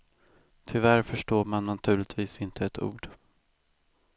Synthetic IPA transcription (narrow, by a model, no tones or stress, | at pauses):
t̪ʰʏvæɾfœʂʈoːɾmanːat̪ʰʉ̟ːɭɪt̪ʰviːsɪnt̪ʰəɛt̪ʰṵːɖ